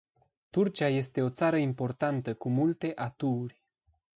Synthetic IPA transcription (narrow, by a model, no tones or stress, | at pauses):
t̪urt͡ʃiaje̞st̪e̞o̞t̪saɾəimpo̞rt̪ant̪əkumult̪e̞ʔat̪uːrʲ